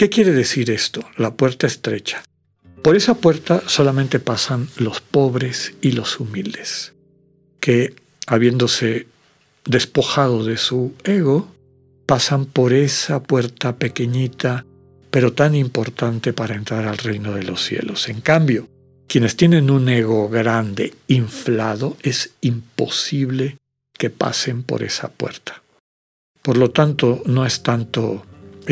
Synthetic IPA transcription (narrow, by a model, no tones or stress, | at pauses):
ke̞kje̞ɾe̞ðe̞siɾe̞st̪o̞lapwe̞ɾt̪aest̪ɾe̞t͡ʃḁ | po̞ɾe̞sapwe̞ɾt̪aso̞lamẽnt̪e̞pasanlo̞spo̞βɾe̞silo̞sumild̪e̞s | ke̞ | aβje̞nd̪o̞se̞ | d̪e̞spo̞xað̞o̞ðe̞sue̞ɣo̞ | pasampo̞ɾe̞sapwe̞ɾt̪ape̞ke̞ɲit̪a | pe̞ɾo̞t̪animpo̞ɾt̪ant̪e̞paɾae̞nt̪ɾaɾalrejno̞ð̞e̞lo̞sːje̞̰lo̞se̞ŋkambjo̞ | kje̞ne̞st̪je̞nẽ̞nune̞ɣ̞o̞ɣɾand̪e̞̰iɱflaðo̞e̞simpo̞siβle̞ | ke̞pa̰se̞mpo̞̰ɾe̞̰sa̰pwe̞̰ɾt̪ʰḁ | po̞ɾlo̞t̪ant̪o̞no̞e̞st̪ant̪o̞